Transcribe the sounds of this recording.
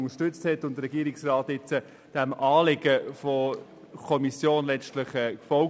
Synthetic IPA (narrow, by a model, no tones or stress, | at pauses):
ŋəʃtʏt͡sthɛtːʊntdəɾɛɡiːɾiksrɑːt̪ɪt͡sə | d̥æmɑːlɪɡəfɔ | kʰɔmisjoːnlɛstlɪχəkfɔl